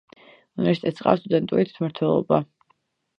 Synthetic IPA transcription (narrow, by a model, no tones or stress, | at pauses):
unvɛsi̥t̪ʰɛt̪sʼqʼa̰fst̪ʼud̪ɛnt̪ʼuɾit̪ʰy̥it̪ʰmaɾt̪ʰwɛlˠɔba